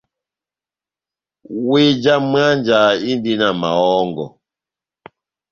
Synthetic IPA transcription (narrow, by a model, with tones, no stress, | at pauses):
we˦d͡ʒa˦m˦a˦nd͡ʒa˨i˦ndi˦na˨ma˨ɔ˦ŋɡɔ̰˨